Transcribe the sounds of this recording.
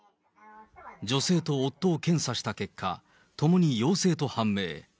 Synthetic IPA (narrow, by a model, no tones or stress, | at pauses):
d͡ʑo̞se̞ːt̪o̞ːt̪ːo̞ːkẽ̞ɰ̃saɕi̥t̪ake̞kʰːa̰ | t̪o̞mo̞ɲ̟ijo̞ːse̞ːt̪o̞hãmːe̞̰ː